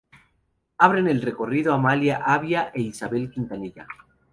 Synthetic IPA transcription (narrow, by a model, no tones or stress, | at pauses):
aβ̞ɾe̞ne̞lre̞ko̞riðoamaljaʔaβjaʔe̞isaβe̞lkint̪aniʝa̰